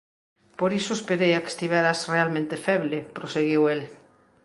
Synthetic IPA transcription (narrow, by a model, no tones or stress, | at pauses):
poɾisoespeɾejake̥st̪iβɛɾasrealmẽnt̪efɛβlepɾoseɣiwel